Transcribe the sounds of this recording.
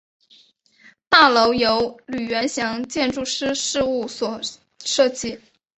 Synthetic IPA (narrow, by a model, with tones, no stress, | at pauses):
t̪a˥˩lo˧˥ʊjo˧˥ʊly˨˩ɥɛ˧˥nɕjɑ˧˥ŋt͡ɕjɛ˥˧nʈ͡ʂu˥˧ʂɻ̩˥ʂɻ̩˥˧u˥˩swɔ˨˩ | ʂɤ˥˧t͡ɕi˥˩